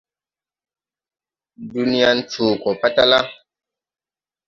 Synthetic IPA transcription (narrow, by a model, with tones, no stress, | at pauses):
du˦ni˦ja˦n̩˦t͡ʃoː˨kɔ˨pa˦ta˦la˦